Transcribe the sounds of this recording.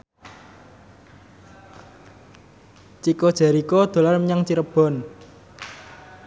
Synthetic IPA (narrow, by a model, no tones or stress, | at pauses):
t͡ʃikod̥ʒ̥a̤ɾikɔd̪̥o̤larmɲaŋt͡ʃiɾəb̥ɔ̤n